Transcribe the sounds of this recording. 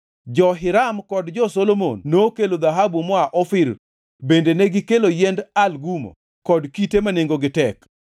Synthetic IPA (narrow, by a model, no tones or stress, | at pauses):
d͡ʒɔɦɪɾamkɔdd͡ʒɔsolomonːokelod̪aɦabumɔaʔɔfɪɾ | bendeneɡikelojɛndalɡumo̰ | kɔdkitemaneŋɡoɡɪtɛk